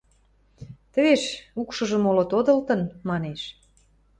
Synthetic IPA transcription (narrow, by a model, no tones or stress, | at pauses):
t̪ə̆βeʃukʃə̆ʒə̆molot̪od̪ɤ̆lt̪ə̆nmɑneʃ